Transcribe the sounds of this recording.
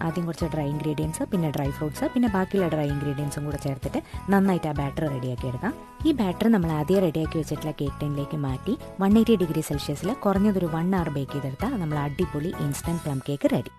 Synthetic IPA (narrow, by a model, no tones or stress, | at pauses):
aːd̪juŋkurɐt͡ɕːɐɖrɐjiŋɡɾiːɽijɐnsɨpinːe̞ɖrɐjfrɐwɖsɨpinːe̞baːkːijilːɐɖrɐjiŋɡɾiːɖijɐnsuŋkuːɽet͡ɕe̞ːrt̪ːitːɨnɐnːaːjitːaːbaːʈːɐrɨreɽijaːkːijeɽukːam | iːbaːʈːɐrɨnɐmːɐɭɐðijereɽijaːkːiʋɐt͡ɕːiʈːilaːke̞ːkʈɐnile̞ːkːɨmaːtːi | ʋɐɳːeɾiɖiɡɾiselʂjɐsilkorɐɲːɐðo̞ɾuʋɐɳːaːrɨbe̞ːkːijɐðeɽut̪ːanɐmːɐɭɐɖːipːoːɭiʔinsʈɐɳɖplɐmkeːkːɨreɽi